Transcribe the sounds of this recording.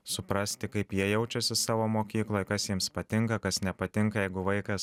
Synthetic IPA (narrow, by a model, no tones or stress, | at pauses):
sʊpɾɐsʲt̪ʲɪkɐɪpjiɛjɛʊt͡ʃʲɛsʲɪsɑːʋoːmoːkʲiːklˠoːjkɐsjiɛmspɐt̪ʲɪŋkɐkɐsnʲɛpɐt̪ʲɪŋkɐjɛɪɡʊʋɐɪkɐs